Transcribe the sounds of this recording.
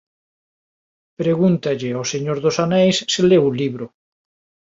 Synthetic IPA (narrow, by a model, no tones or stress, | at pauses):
pɾeɣunt̪aʎɪoseɲoɾðosanɛjsːelewuliβɾʊ